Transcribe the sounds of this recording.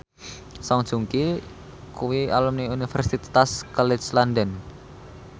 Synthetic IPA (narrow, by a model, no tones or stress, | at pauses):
saŋd̥ʒ̥uŋki | kuwia̰lumniunifɛrsit̪t̪askalɛt͡ʃland̪ən